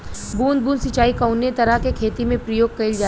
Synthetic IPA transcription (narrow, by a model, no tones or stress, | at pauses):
buːnd̪̚buːnsɪt͡ʃaːikaʊnːet̪ɐɾəkekʰeːt̪imẽpɾɐjoːɡ̚kɐild͡ʒaː